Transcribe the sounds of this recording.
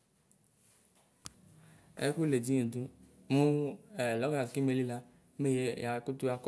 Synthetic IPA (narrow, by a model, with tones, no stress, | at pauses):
ḛ˦ku˦le˨d͡ʒi˦ɲẽ˨d̪u˦ | mũ˦˨lɔ˨˦ɡa˨ki˦me˨li˦la˦ | me˦je˦ja˨ku˦t̪u˦a˦k